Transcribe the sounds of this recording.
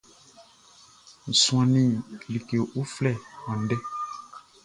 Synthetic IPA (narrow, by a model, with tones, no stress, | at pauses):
n̩˨sũ˦ã˨nĩ˦˨li˨ke˨ʔu˦flɛ˦˨ɔ̃˨n̩˨˦dɛ˦